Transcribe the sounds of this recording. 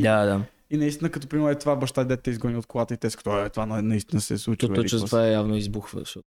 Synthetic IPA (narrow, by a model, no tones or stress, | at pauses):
d̪ad̪a | inɐist̪inəkɐt̪ɔpɾimɛɾmɛt̪ovabɐʃt̪ad̪d̪ɛt̪̚t̪ɛizɡɔnʲiot̪̚kolˠat̪əit̪ɛskə̥t̪ɔɛt̪ovannɐist̪inəsɛ̰slˠut͡ʃ̪ivɔt͡ʃət̪vaɛjavnoizbuxvə̰ʃɔ